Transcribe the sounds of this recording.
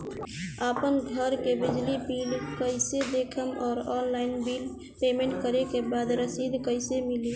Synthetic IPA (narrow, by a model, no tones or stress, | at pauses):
apənɡʱəɾkebɪd͡ʒlipiːlkəɪsed̪eːkʰəmɔːɾɔːnlaɪnbiːl | peːmẽɳʈ̚kəɾekebaːd̪ɾəsiːd̪kəɪsemɪli